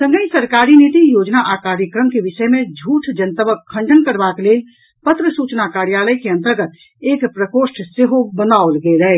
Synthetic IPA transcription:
sə̃ŋɡəj̃səɾkaɾinit̪ijod͡ʒnaʔakaɾjəkɾəmkebisəjmẽd͡ʒʱuʈʰd͡ʒənt̪əbəkʰːə̃ɳɖʱənkəɾbakelel | pət̪ɾəsut͡ʃnakaɾjaləjkeə̃nt̪əɾɡət̪ | ekpɾəkosʈʰseɦobənaolɡelɛ

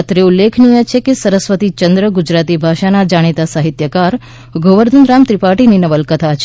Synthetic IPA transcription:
t̪ɾeulːekʰnijət͡ʃʰekesəɾəsʋət̪it͡ʃənd̪ɾəɡud͡ʒɾat̪ibʱaʃanad͡ʒaɽ̃it̪asaɦit̪jəkaɾ | ɡʱoʋəɾd̪ʱunɾamt̪ɾipaʈininəʋəlkət̪ʰat͡ʃʰ

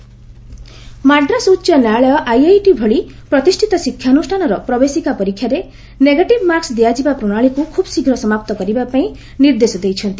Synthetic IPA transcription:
maɖɾasutːʃjɔnaɭjɔʔajajʈibʱɔɭi | pɾɔt̪isʈʰit̪ɔsikʰːjanusʈʰanɔɾɔpɾɔbesikapɔɾikʰːjaɾe | neɡaʈibmaɾksd̪ijad͡ʒibapɾoɽ̃aɭikukʰubsiɡʱɾɔsɔmapt̪ɔkɔɾibapaĩ | niɾd̪esɔd̪ejt͡ʃʰʌnt̪i

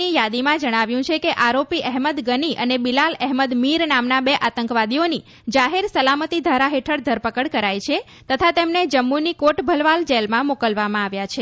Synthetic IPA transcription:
ijad̪imãd͡ʒəɽ̃aʋjũt͡ʃʰekeʔaɾopiʔɛɦməd̪ɡəniʔənebilalɛɦməd̪miɾnamnabeʔat̪əŋkʋad̪ioni | d͡ʒaɦeɾsəlamət̪id̪ʱʋaɾaɦeʈʰəɽd̪ʱəɾpəkəɽkəɾajt͡ʃʰe | t̪ət̪ʰat̪emned͡ʒəmːunikoʈbʱəlʋald͡ʒelmãmokəlʋamãaʋjat͡ʃʰe

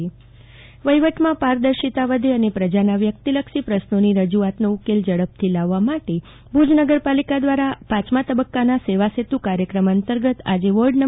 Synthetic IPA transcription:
ʋəjʋəʈmãpaɾd̪əɾʃit̪aʋəd̪ʱeənepɾəd͡ʒanaʋjək̚t̪iləkʃipɾəʃnoniɾəd͡ʒuat̪noukeld͡ʒəɽəp̚t̪ʰilaʋːamaʈe | bʱud͡ʒnəɡəɾpalikad̪ʋaɾapat͡ʃmat̪əbəkːanaseʋaset̪ukaɾjəkɾəmənt̪əɾɡət̪a̰d͡ʒeʋoɖnə

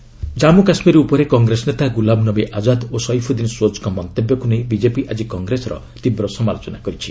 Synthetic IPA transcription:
d͡ʒamukasmiɾiupɔɾekɔŋɡɾesɔnet̪aɡulabnɔbeʔad͡ʒad̪osɔjpʰud̪insot͡ʃɔ̥kɔmɔnt̪ebjɔkunej̃bid͡ʒepiʔad͡ʒikɔŋɡɾesɔɾɔ̰ | t̪ibɾɔsɔmalot͡ʃɔnakɔɾit͡ʃʰi̥

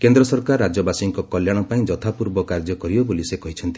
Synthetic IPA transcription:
kend̪ɾɔsɔɾkaɾːad͡ʒɔbasiŋkɔkɔljaɽ̃ɔpaĩd͡ʒɔt̪ʰapuɾbɔkaɾd͡ʒɔkɔɾibɔbolisekɔɦit͡ʃʰɔnt̪i̥

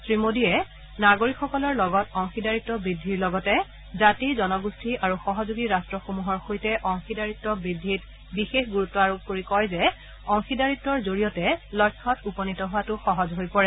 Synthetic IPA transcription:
sɹimodijɛ | naɡoɹikxɔkɔlɔɹlɔɡɔtɔŋxidaɹitːɔbɹidʱːiɹlɔɡɔtɛ | zatizɔnɔɡustʰiaɹuxɔɦɔzuɡiɹastɹɔxomuɦɔɹxojtɛʔɔŋxidaɹitːɔbɹidʱːit | bixexɡuɹutːɔaɹob̚ʱkoɹikɔjzɛ | ɔŋxidaɹitːɔɹzoɹijɔtɛlɔjkʰːɔtupɔnitɔɦʊwatʊxɔɦɔzɦojpɔɹɛ

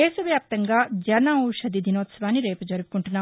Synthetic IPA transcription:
eːsuʋjaːp̚t̪ɐŋɡaːd͡ʒɐnauʃɐd̪id̪ʱinoːt̪sɐʋaːnːiɾeːpɐd͡ʒɐɾupu̥kuɳʈunːaː

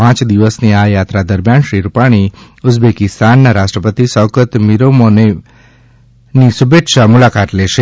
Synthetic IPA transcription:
ãt͡ʃd̪iʋəsniajat̪ɾad̪əɾmjanʃɾiɾupaɽ̃i | ʊd͡ʒbekɪst̪ʰanːaɾaʃʈɾəpət̪isɔkət̪miɾomone | nisubekʃamulakat̪leʃe

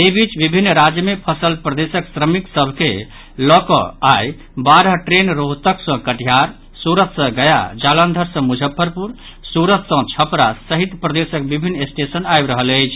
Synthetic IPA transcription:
ebit͡ʃbibʱinːɾad͡ʒjəmepʰəsəlpɾəd̪esəksɾəmiksəbʱke | lɔkɔ̰aj | baɾəɦʈɾenɾoɦt̪əksə̃kəʈijaɾ | suɾət̪sə̃ɡəja̰d͡ʒalənd̪ʱəɾsə̃mud͡ʒʱəpʰːəɾpuɾ | suɾət̪sə̃t͡ʃʰəpɾasəɦit̪pɾəd̪esəkbibʱinːesʈesənajbɾəɦələjt͡ʃʰ

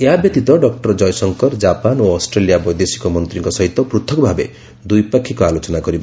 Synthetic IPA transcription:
eɦabjɔt̪it̪ɔɖɔkʈɔɾd͡ʒɔjsɔŋkɔɾd͡ʒapanoɔsʈɾelijabɔjd̪esi̥kɔmɔnt̪ɾiŋkɔsɔɦit̪ːɔpɾut̪ʰɔkɔbʱabe | d̪ujpakʰːikɔalot͡ʃɔnakɔɾibɔ

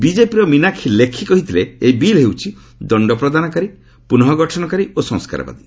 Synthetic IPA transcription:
bid͡ʒepiɾɔminakʰilekʰikɔɦit̪ʰileːjbilɦewt͡ʃʰi | d̪ɔɳɖɔpɾɔd̪anɔkaɾi | punɔɦɔɡɔʈʰɔnɔkaɾiosɔ̃ŋska̰ɾɔ̰ba̰d̪i

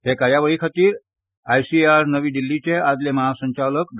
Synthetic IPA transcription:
ɦ̪ekaɾjaʋəɭiːkʰat̪iːɾ | ajsiaɾnəʋiːɖ̪ilːit͡ɕead͡zleməɦasə̃ɲt͡ɕaləkd̪

